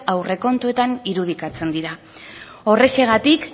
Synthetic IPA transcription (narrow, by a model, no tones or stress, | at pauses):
awre̞ko̞nt̪ue̞t̪aniɾuð̞ikat͡se̞nd̪iɾa | o̞re̞se̞ɣ̞at̪ik